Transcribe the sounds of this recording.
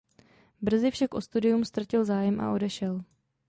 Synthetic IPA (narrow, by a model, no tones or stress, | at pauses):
br̩zɪfʃakʔo̞st̪udɪjumst̪ɾacɪlzaːjɛmʔa̰ʔo̞dɛʃɛl